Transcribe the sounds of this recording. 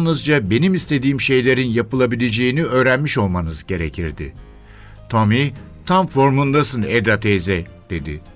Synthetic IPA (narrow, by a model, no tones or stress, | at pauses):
nnɯzd͡ʒabe̞nimist̪ʰe̞d̪iːmʃe̞jlʲe̞ɾinjapɯlˠabilʲed͡ʒe̞jiniø̞ːɾænmiʃo̞lˠmanɯzɟe̞ɾe̞cʰiɾd̪ɪ̰ | t̪ʰomit̪ʰamfo̞ɾmund̪asɯned̪at̪ʰezɛ | d̪̥e̞d̪ɪ̰